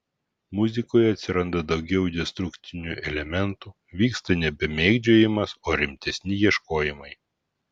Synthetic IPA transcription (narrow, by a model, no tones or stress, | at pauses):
mʊzʲɪkoːjɛɐt̪ʲsʲɪɾɐnd̪ɐd̪ɒʊɡʲɛʊd̪ʲɛst̪ɾʊkt̪ʲɪnʲṵʔɛlʲɛmʲɛnˑt̪uː | ʋʲiːkst̪ɐnʲɛbʲɛmʲeːɡd͡ʒʲoːjɪmɐsoːɾʲɪmʲt̪ʲɛsʲnʲɪjiɛʃkoːjɪmɐɪ